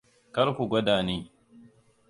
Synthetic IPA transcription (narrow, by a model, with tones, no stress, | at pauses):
kɐ˦ɾku˨ɡʷɐ˦daː˨niː˦